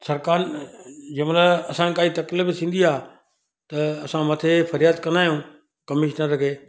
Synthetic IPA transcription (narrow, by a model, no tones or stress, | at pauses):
sɐɾkaːnd͡ʑɐmləɐsãkaːit̪ɐklɪbsʰĩːn̆d̪iaː | t̪ɐɐsãmɐt̪ʰefɐɾjaːd̪kɐ̃nd̪aːɦjũː | kɐmɪʃnəɾɐkʰeː